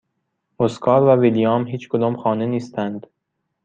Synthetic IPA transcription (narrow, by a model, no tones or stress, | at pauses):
moskʰɒːɾvævilijɒːmɦiːt͡ʃkʰod̪ɒːmxɒːneniːst̪ʰænd̪̥